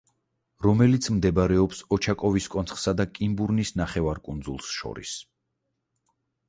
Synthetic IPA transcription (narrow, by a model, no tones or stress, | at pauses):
ɾɔmɛlit̪sʰmd̪ɛbaɾɛɔpsɔt͡ʃʰakʼɔviskʼɔnt̪sχsad̪akʼimbuɾnisnaχɛvaɾkʼund̪zulˠsʃɔ̰ɾḭs